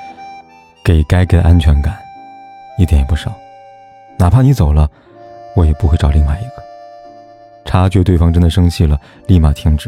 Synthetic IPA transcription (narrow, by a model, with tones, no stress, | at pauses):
ke˨˩ɪka˥ɪke˨˩ɪʔa˥nt͡ɕʰɥɛ˧˥nka˨˩˦n | i˥˩jɛ˨˩njɛ˨˩pu˥˩ʂɑ˨˩˦ʊ | na˨˩pʰa˥˩ni˧˥t͡so˨˩ʊlə˦ | wɔ˧˥jɛ˨˩pu˥˧xe˥˧ɪʈ͡ʂɑ˨˩ʊli˥˧ŋma˥˩ɪi˧˥ɡ̥ə˧ | ʈ͡ʂʰa˥t͡ɕɥɛ˥˧t̪we˥˩ɪfɑ˥ŋʈ͡ʂə˥nd̪ə˨˩ʂɤ˥ŋt͡ɕʰi˥˩lə˩ | li˥˩ma˨˩t̪ʰi˥ŋʈ͡ʂɻ̩˨˦